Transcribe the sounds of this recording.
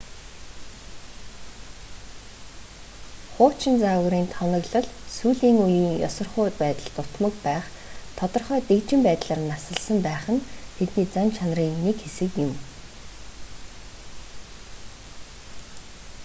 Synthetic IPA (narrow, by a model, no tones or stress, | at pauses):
χʊːt͡ɕɪ̆nt͡saːɣʊɾiːnt̪ʰɔnʲɞ̆ɣɮɞ̆ɮsuːɮiːŋujiːŋjɔ̰sɞ̆rχʊːt̪̚pæːt̪ə̆ɮt̪ʊt̪mɞ̆kpæːχ | t̪ʰɔt̪ɞ̆rχœːt̪ekt͡ɕɪ̆mpæːt̪ɮaːrnasə̆ɮsə̆mpæːχə̆nt̪ʰet̪niːt͡sant͡ɕʰanriːŋnikxesɘ̆kjɪ̆m